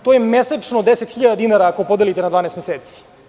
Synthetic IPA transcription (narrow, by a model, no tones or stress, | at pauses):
t̪ojemeset͡ʂnod̪eset̪xiʎad̪ad̪inaɾaːkoopo̞d̪elit̪enad̪vaːneːst̪meseːt̪si̥